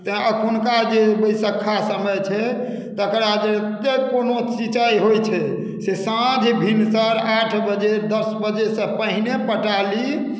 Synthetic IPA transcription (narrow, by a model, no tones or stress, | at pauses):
t̪əkʰunkad͡ʒebəjsəkʰːasəməjt͡ʃʰɛ | t̪əkɾad͡ʒet̪ekonot͡ʃit͡ʃajɦojt͡ʃʰɛ | sesãd͡ʒʱbʱinsəɾaʈʰbəd͡ʒed̪əsbəd͡ʒesə̃pəɦinepəʈali